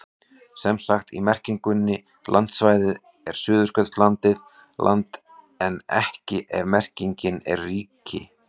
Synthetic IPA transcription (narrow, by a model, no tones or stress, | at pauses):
sɛmsaxt̪ḭmɛr̥ciŋkʏnːɪ | lʔant̪svaːjðɪð | ɛɾ̥sʏːðʏskœt̪st̪lant̪ɪð | lʔa̰nt̪ | ɛnɛ̰hcɪʔɛvmɛr̥ciɲcɪnɛ̰ɾriːcɪ̰